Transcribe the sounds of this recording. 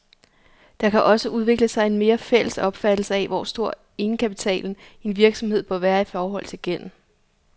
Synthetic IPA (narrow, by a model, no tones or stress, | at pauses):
d̥ɑ̈kʰæʔɒ̽səʔuð̞ˠʋe̝ɡ̥ləsɑ̈ɪe̝nme̝ːɐfel̰əsɒ̽b̥fæd̥l̩səæʋɒ̰sd̥o̝ɐ̰ | e̝nəkʰæpit͡sʰɛ̰ːln̩e̝nʋiɐɡ̥sɒ̽mhe̝ð̞̰ˠb̥ɶɐʋæːɐifɒːɦɒ̽l̰t͡sʰe̝ɡ̥en̰m̩